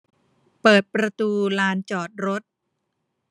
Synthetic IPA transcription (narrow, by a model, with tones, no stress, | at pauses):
pɤː˨˩t̪̚pɾa˧t̪uː˧laː˧nt͡ɕɔː˨˩t̪̚ɾo˦˥t̪̚